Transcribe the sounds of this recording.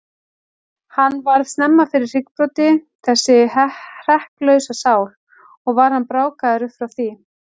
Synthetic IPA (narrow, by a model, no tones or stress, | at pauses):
hanːvaɾvst̪nɛmːafɪɾɪr̥r̥ɪkpɾɔt̪ɪ | θɛsːɪr̥ɛhplœɥsasaːwl | ɔɣvaɾ̥hanpɾaːwkaðaɾʏhpfɾawθi